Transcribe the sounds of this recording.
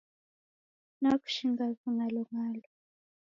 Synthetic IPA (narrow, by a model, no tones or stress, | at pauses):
naku̥ʃiŋɡakuŋalɔŋaːlɔ